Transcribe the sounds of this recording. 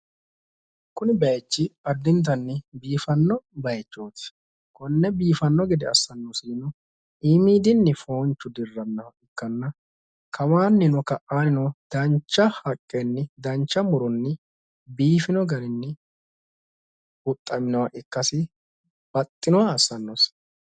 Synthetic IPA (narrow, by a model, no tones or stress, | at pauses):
kʊnɪbɛjt͡ʃːɪɐd̪ːɪnt̪̬ɐnːɪbiːfɐnːɔbɐjt͡ʃːoːt̪ɪ̥ | kɔnːɛbiːfɐnːɔɡɛd̪ɛɐsːɐnːɔsiːnɔ | imiːd̪ɪnːɪfo̞ːnt͡ʃːʊd̪ɪrːɐnːɐɪkːɐnːɐ | kʰɐwaːnːɪnɔkɐʔʔaːnɪnɔd̪̥ɐnt͡ʃːɐhɐkʼːɛnːɪd̪ɐnt͡ʃːɐmʊɾʊnːɪ | biːfɪnɔɡɐɾɪnːɪ | ʊt̪ʼːɐmɪnɔwɐʔɪkːɐsɪ | b̥ɐt̪ʼːɪnɔwaːsːɐnːos